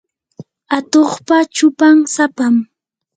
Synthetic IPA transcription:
at̪oχpat͡ʃʊpaŋsapam

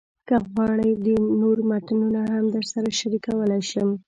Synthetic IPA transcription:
kəɣwɑɽəjd̪ənoɾmaʈənunaɦamd̪əɾsaɾaʃaɾikawəlajʃəm

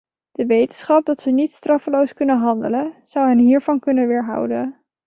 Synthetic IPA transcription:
d̥əʋejtənsχɑp̚dɑtsənitstrɑfəlowskɵnənɦɑndələz̥ɑwɦənɦiːɹvɑnkɵnənʋɪːɹɦʌ̰wdən

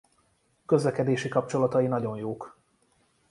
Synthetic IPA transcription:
kø̞zlɛkɛd̪eːʃikɒp̚t͡ʃo̞lɒt̪ɒinɒɟo̞njoːk

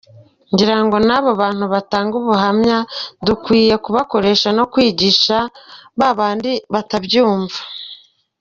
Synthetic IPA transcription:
ɲɟiɾaŋɡo̞naβoβaːn̥huβataːŋɡuβuhamɲadukwiːje̞kuβako̞ɾe̞ːʃano̞kwiːɟiʃaβaβaːndiβatabɟuːɱvḁ

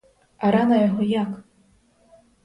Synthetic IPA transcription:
aɾanɐjaɦɔjak

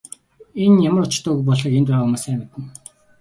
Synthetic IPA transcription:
enjamərʊt͡ɕ̆t̪œːɣupɔɮə̆ːkent̪pæʁaːʊmʊːsæːmɪ̆t̪ɘ̆n

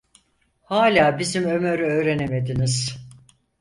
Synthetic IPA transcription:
haːlʲaːbizimø̞mø̞ɾyøːɾe̞neme̞d̪iniz̥

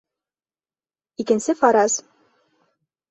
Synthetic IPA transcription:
ikɘ̆nsɘfɑɾɑz

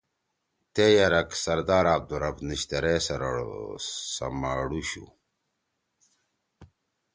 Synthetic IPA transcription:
t̪ejɐɾɐksɐɾd̪aːɾaːb̚d̪uɾɐbniɕt̪ɐɾeːsɐɾɽ̰sɐ̰maɽuɕṵ

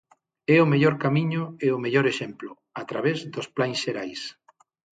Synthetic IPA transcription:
ɛʊmeʎoɾkamiɲʊeʊmeʎoɾeʃemplʊ | at̪ɾaβezd̪osplaŋsʃeɾajs

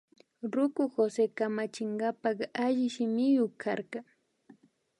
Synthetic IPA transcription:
ɾʊkʊxosekamat͡ʃɪŋɡapakaʒɪʃɪmɪjokʰa̰ɾkɑ

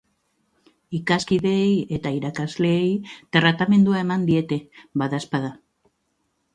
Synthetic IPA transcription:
ikaskiðe̞ːje̞t̪aiɾakazle̞ːjt̪rat̪ame̞nd̪uae̞mand̪ie̞t̪e̞βaðaspaða

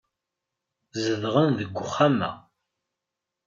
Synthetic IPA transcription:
zəðʁənðəɡʷːʊχːamæ̰

